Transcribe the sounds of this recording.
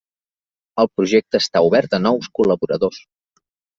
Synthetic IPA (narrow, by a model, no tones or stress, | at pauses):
əlˠpɾuʒek̚t̪əːst̪auβɛɾt̪ənɔwskuləβuɾəðos